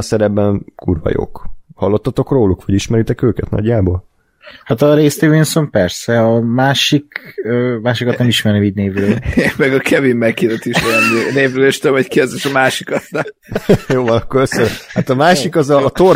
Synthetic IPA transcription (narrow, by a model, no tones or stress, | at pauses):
ɒsɛɾɛbːɛnkuːrvɒ̰jo̰khɒlːot̪ːɒt̪o̞kroːlukʋɒɟiʃmɛɾit̪ɛkøːkɛt̪nɒ̰ɟːaːbol | hat̪ɒɾeːst̪ivinso̞mpɛrsɛɒmaːʃikøːmaːʃikɒt̪nɛmiʃmɛrnɛmiːɟneːvrøːlmɛɡɒkʰɛvimːɛkːid̪ɛt̪iʃɛɛmeneːvɾøːleːʃt̪uomockiɛzd̪eʃɒmaːʃikɒt̪n | joːvɒnɒkːoɾøssːøɾhat̪ɒmaːʃikɒzɒt̪or